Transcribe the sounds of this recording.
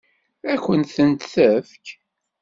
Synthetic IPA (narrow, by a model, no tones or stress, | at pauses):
ækʷːənt̪θənt̪θəfk